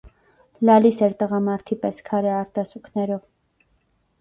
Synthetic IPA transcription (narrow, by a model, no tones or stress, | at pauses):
lɑlisɛɾt̪əʁɑmɑɾt̪ʰipɛskʰɑɾɛɑɾt̪ɑsukʰnɛɾɔv